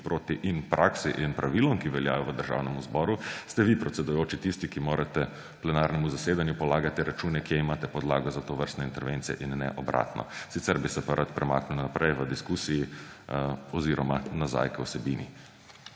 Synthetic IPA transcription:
pɾoːt̪iʔinpɾʔaːksiʔinpɾaʋilɔmkiʋɛlja̰ːjɔʋəd̪əɾʒa̰ːwnɛmuzbɔːɾust̪ɛʋipɾɔt̪sɛd̪ujoːt͡ʃit̪ist̪ikimoːɾʔat̪ɛ | plɛnaːɾnɛmuzaseːd̪anjupɔlaːɡat̪ɛɾat͡ʃuːnɛkjɛimaːt̪ɛpɔd̪laːɡɔzat̪oʋəɾst̪nɛint̪ɛɾʋent̪sijɛ̰ʔinːɛ̰ʔɔbɾʔa̰ːt̪nɔ̰sit̪sɛɾbisɛpaɾʔat̪pɾɛma̰knulnapɾɛjʋəd̪iskuːsiji | ɔziːɾɔmanaza̰jkɛwsɛbinḭ

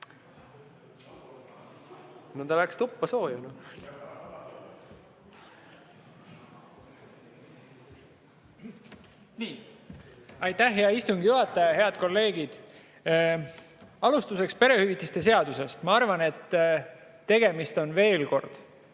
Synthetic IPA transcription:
not̪ɑlækst̪upːɑso̞ːjɑnɑ | niː | ɑjt̪ːæhɦeɑist̪uŋɡijuɦɑt̪ːˑɑjɑɦe̞ɑd̪̥̚ko̞lːe̞ːɡid̪̥ | ɑlust̪use̞kspe̞ɾe̞hyvit̪ːˑist̪e̞s̬e̞ɑd̪use̞st̪mɑɑrvɑne̞t̪ː | e̞ɡe̞mist̪o̞nve̞ːlko̞rd̪̥

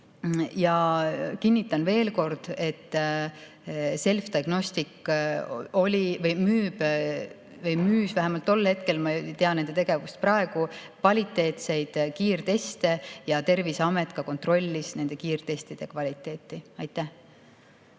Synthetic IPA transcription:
jɑkinʲːit̪ːˑɑnve̞ːlko̞rd̪̥e̞t̪ː | se̞lft̪iɑɡ̥no̞st̪ikː | o̞lʲivɤjmyːb | vɤjmyːsvæɦæmɑlt̪ːo̞lːhe̞t̪̚ke̞lmɑt̪e̞ɑne̞nd̪et̪eɡ̥e̞vust̪̚prɑe̞ɡ̥ukvɑlʲit̪ːˑe̞ːt̪se̞jd̪̥kiːrt̪e̞st̪e̞jɑt̪e̞rviseɑmet̪ˑkɑko̞nt̪ro̞lʲːisne̞nd̪̥e̞kiːrt̪e̞st̪id̪̥e̞kvɑlʲit̪ːˑe̞ːt̪ˑːiɑjt̪ˑːæh

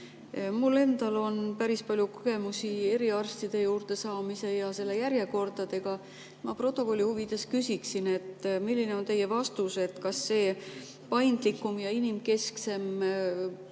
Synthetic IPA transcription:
mulːe̞nd̪̥ɑlo̞npæɾispɑlʲjukoɡ̥e̞musie̞ɾiɑrst̪id̪̥e̞juːrt̪e̞sɑːmise̞jɑse̞lːe̞jæɾje̞ko̞rd̪ɑd̪e̞ɡ̥ɑ | mɑpro̞t̪ˑːo̞ko̞lʲːihuvid̪̥e̞skysʲiksine̞t̪ːmilʲːineo̞nt̪e̞jːe̞vɑst̪use̞t̪kɑsːe̞ː | pɑjnd̪̥likːˑumjɑinimke̞skse̞m

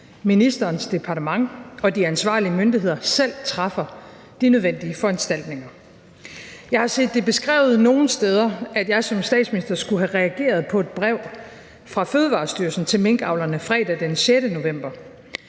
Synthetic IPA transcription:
minisd̥ɐːnsd̥e̝pʰɑ̈ːd̥əmɑ̈ŋɒ̽d̥iænsʋɑ̰̈ːliəmønd̥iɦe̝ð̞̰ˠɐsel̰t͡sʰʁɑfɐ | d̥inøð̞ˠʋen̰d̥iəfɒ̽ænsd̥æl̰d̥ne̝ŋɐ | jɑ̈ɪhɑ̈se̝̰ːd̥ːe̝b̥e̝sɡ̥ʁɛ̰ːʊð̞̩ˠno̝ːn̩sd̥eːð̞ˠɐæd̥jɑ̈ɪsɒ̽msd̥ɛ̰ːd̥sminisd̥ɐsɡ̥uɦæʁɛæɡ̥e̝̰ːɐð̞ˠpʰɒ̽e̝d̥̚b̥ʁɛʊ̰ | fʁɑ̈føːð̞ˠəʋɑ̈ːsd̥yːɐsn̩t͡sʰe̝lmeŋɡ̥ɑ̈ʊlɐnəfʁɛ̰ːd̥æd̥enɕeɾəno̝ʋem̰b̥ɐ

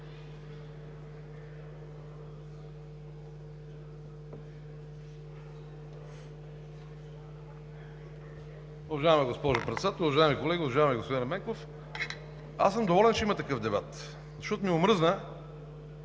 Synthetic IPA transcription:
ʊvɐʒajɛmɛɡospɔʒʊpɾɛt̪sɛd̪at̪əɾˠʊvɐʒaɪmikolɛɡʲiʊvɐʒajɛmɛɡospod̪inmɛŋkof | a̰sɤmd̪ovɔlɛnt͡ʃɛimət̪ɐkɤfd̪ɛbat̪ | zɐʃtɔt̪ʊmiʊmɾɤznə

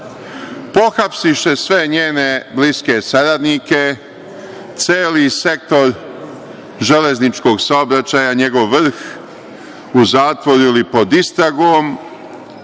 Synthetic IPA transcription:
po̞xapsiʃe̞sʋe̞ɲeːne̞bliske̞saɾad̪nike̞ | t̪seːlise̞k̚t̪o̞ɾ | ʒe̞le̞znit͡ʃko̞ːɡsaobɾat͡ɕajaɲe̞ɡo̞ʋːr̩x | uzaːt̪ʋo̞ɾilipo̞d̪ist̪ɾaɡom

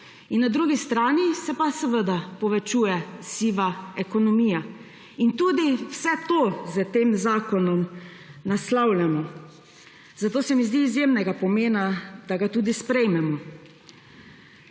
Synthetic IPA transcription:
inːad̪ɾuːɡist̪ɾaːnisɛpasɛʋəd̪apɔʋɛt͡ʃuːjɛsiːʋaɛkɔnɔmiːja | int̪uːd̪iwsɛt̪oːzət̪eːmzaːkɔnɔm | naslawlʲamɔ | zat̪oːsɛmizd̪iːzjeːmnɛɡapɔmeːnad̪̥aɡat̪uːd̪ispɾɛjmɛmɔ

